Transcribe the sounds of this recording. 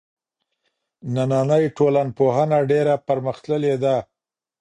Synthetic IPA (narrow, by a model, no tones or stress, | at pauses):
nanɑnəjʈolanpoɦanaɖeɾapaɾməxt̪ləled̪a